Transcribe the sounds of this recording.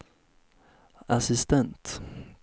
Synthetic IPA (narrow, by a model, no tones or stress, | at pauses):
asɪst̪ɛnt̪